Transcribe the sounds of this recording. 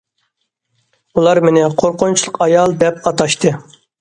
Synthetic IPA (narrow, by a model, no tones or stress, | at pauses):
ulˠɑɾmɪnɪqʰoɾqont͡ʃʰlˠəqɑjɑlˠd̪ɛpɑt̪ɑʃt̪ʰɨ